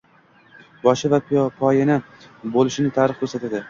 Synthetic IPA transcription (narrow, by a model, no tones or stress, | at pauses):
bɒʃɪvapʰijɒpʰɒjɪnɪ | bolɪʃɪnɪt̪ʰaɾɨχkʰʲɵɾsat̪ʰad̪ɪ